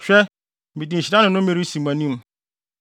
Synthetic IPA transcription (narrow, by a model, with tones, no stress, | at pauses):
ɕᶣɛ˦˨ | bi˨dĩ˨ɕi˨dã˦nʊ̃˨˦nʊ̃˦me˦ɾi˦sĩ˨mã˨nĩ˦m